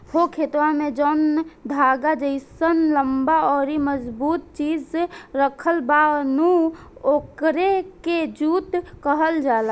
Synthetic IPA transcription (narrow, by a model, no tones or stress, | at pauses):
hokʰet̪wamẽd͡ʒɔnd̪ʱaɡad͡ʒəɪsənləmbaɔɾiməd͡ʒbut̪̚t͡ʃid͡ʒseɾəkʰəlbanuokɾeked͡ʒut̪kəɦəld͡ʒala